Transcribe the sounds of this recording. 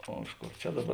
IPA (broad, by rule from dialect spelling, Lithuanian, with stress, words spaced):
ˈoː ˈɪʃ ˌkoːr t͡ʃʲɛ ˈdɑːˌbɐr